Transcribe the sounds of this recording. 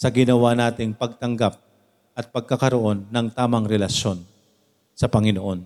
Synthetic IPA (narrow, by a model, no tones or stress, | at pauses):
sɐɡɪnɐwanaːt̪ɪŋpɐɡ̚t̪ɐŋɡap̚ | ʔɐt̪̚pɐɡ̚kakɐɾoʔo̞nːɐŋt̪aːmɐŋɾɛlɐʃo̞n | sɐpɐŋɪnoʔo̞n